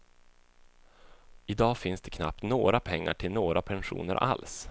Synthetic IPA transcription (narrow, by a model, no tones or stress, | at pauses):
ɪd̪ɑːfɪnsd̪̥ɛkʰna̰p̚t̪noːɾapʰɛŋːa̰ʈʰɪlnoːɾapʰɛnɧṵːnə̰ɾʔa̰ls